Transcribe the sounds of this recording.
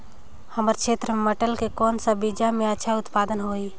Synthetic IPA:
həməɾkʃʰeːt̪ɾəmeməʈəlkekɔːnsabid͡ʒamẽətːʃʰaʊt̪paːd̪ənɦoːi

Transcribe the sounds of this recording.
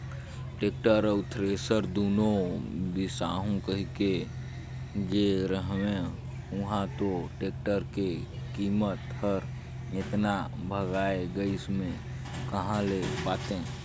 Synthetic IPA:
ʈeːk̚ʈəɾət̪ʰɾeːsəɾd̪oːnobisaːɦũkəɦike | d͡ʒeɾəɦwẽ | ʊɦãt̪oʈeːk̚ʈəɾke | kiːmət̪həɾ | ɪt̪nabʱəɡaːeɡəɪsmẽ | kəɦãlepaːt̪ẽ

